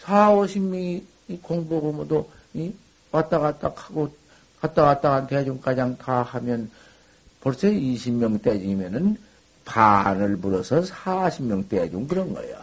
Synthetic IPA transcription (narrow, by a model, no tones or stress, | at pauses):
sʰaoɕʰimjŋ | ikoŋbobomudo | i | wat͈aɣat͈akʰaɡo | kat͈aɣat͈̚aɡanted͡ʑuŋk͈ad͡ʑaŋtahamjʌn | pʌɭsʰeiɕʰimjʌŋt͈ed͡ʑimjʌnɯn | panɯɭbuɾʌsʰʌsʰaɕʰimmjʌŋt͈ed͡ʑuŋkɯɾʌnɡʌ̰jo